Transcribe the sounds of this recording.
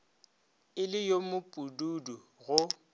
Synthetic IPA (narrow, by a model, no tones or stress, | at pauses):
ɪlɪjomʊpʼududu | ɣʊ